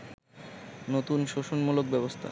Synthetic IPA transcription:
not̪unʃoʃonmulok̚bɛbost̪ʰa̰

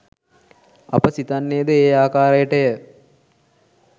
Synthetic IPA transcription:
a̰pəsit̪anːejəd̪əeːaːkaːɾəjəʈəjə

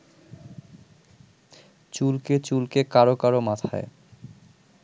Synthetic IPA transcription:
t͡ɕulket͡ɕulkekaɾokaɾomat̪ʰa̰e

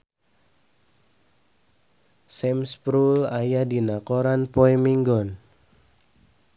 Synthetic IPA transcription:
sɛmspɾulajadinakɔɾanpɔɛmiŋɡɔn

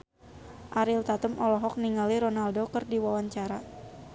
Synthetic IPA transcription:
ʔaɾilt̪at̪əmʔɔlɔɦɔk̚niŋaliɾonaldokərdiwawaɲt͡ʃaɾa

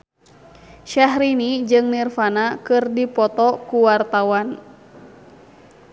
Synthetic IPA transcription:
ʃaɦɾinid͡ʒɨŋnirfanakɨrdipɔt̪ɔkuwart̪awan

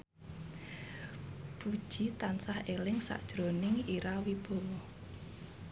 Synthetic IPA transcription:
b̥ud̥ʒ̥it̪ansahelɪŋsa̰ʔd̥ʒ̥ɾonɪŋiɾawib̥o̤wɔ

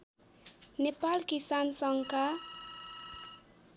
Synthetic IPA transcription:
nepalkisansʌŋka

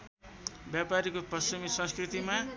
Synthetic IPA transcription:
bjapaɾikopʌsimisʌ̃nskrit̪ima

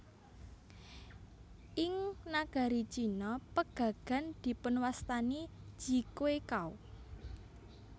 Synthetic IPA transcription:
ʔɪŋnaɡ̥a̤ɾi̥t͡ʃinɔpəɡ̥ä̤ɡ̥a̤nd̪̥i̤pʊnwast̪ani̥d͡ʒ̥i̤kwekau

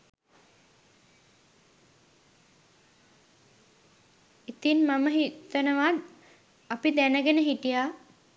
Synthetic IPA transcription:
it̪inmaməɦit̪ənəʋat̪ | apid̪ænəɡenəɦiʈija

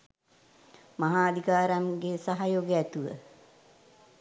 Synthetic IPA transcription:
maɦaːd̪ʱikaːɾaŋɡesaɦajoːɡəæt̪uʋə̰

